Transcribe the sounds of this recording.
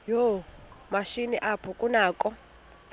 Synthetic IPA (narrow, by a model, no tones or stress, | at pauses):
jomaʃiniʔapʰɔkʼunaːkʼɔ